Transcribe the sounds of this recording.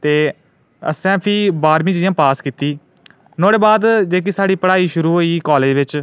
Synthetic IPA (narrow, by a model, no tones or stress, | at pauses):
t̪eː | ə̰sɛ̃ːpʰiːbaːɾmĩːd͡ʒjãːpaːskiːt̪iː | noːɽeːbaːd̪d͡ʒeːk̬isaːɽiːpəɽaːiːʃʊɾuːɦoːiːkɔːleːd͡ʒʋɪt͡ʃ